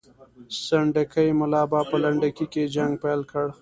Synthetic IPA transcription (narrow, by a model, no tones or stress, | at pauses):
saɳɖəkəjmʊlɑːbɑpəlaɳɖakiked͡ʒaŋɡ̚palkəɽ